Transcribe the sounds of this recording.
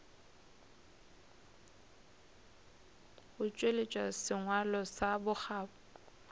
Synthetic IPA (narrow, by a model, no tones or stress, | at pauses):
bʊt͡ʃʼwelet͡ʃʼwasɪŋwalɔsabʊk͡xaːpʊ